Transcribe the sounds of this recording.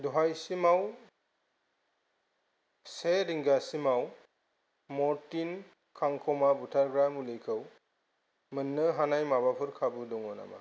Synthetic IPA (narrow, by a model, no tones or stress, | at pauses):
dɔɦajsimaw | seɾiŋɡasimaw | mɔɾtin | kʰaŋkʰɔmabutʰaɾɡɾamulikʰɯw | mɯnːɯɦanajmabapʰɯɾkʰabɯdɔŋɔna̰ma̰